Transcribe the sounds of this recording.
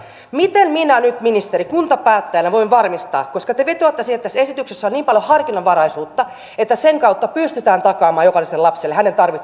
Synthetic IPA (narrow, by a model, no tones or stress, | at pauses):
mit̪emminænyt̪minist̪eɾikunt̪ɑpæːt̪ːæjænæʋo̞iʋʋɑrmist̪ɑ̰ːkkoskɑt̪eʋet̪oɑt̪ːæsihet̪ːæsesit̪yksesːæoniːmpɑljohɑrkinɑʋʋɑɾɑisuːt̪ːɑ | et̪ːæseŋkɑut̪ːɑpyst̪yt̪æːnt̪ɑkɑːmɑːjokɑlːˑiselɑpselːehænent̪ɑrʋi